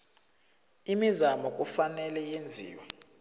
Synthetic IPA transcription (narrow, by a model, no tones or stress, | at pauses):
imizamɔk̬ʼufanɛlɛjend͡zʱḭːwa